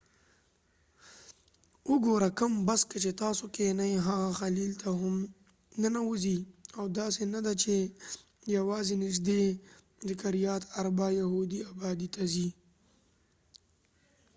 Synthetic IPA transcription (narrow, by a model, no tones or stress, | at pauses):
ʊɡoɾakəmbaskat͡ʃet̪ɑsokenajɦaɣaxalilt̪ʰaɦʊm | nənawuziawd̪ɑsenad̪at͡ʃe | jawɑzenɪʒd̪e | d̪əkaɾijɑt̪aɾabɑjaɦud̪iabɑd̪it̪azi